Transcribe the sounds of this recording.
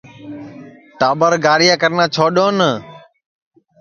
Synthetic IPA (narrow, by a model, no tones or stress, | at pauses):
ʈaːɓəɾɡaːɾɪjaːkəɾnãːt͡ʃʰoːɗõːnə